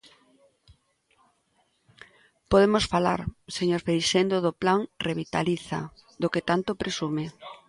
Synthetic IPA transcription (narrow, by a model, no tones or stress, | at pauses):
poð̞emosfala̰ɾseɲoɾfejʃend̪oðoplaŋreβit̪a̰liθa̰d̪oket̪ant̪opɾesume